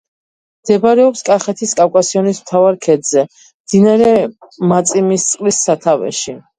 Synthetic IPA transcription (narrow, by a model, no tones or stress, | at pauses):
md̪̥ɛbɾɛɔpskʼaχɛt̪ʰiskʼafkʼasiɔnismt̪ʰavaɾkʰɛd̪zɛ | md̪̥inaɾɛmat̪sʼimist̪sʼqʼlisːat̪ʰavɛ̰ʃi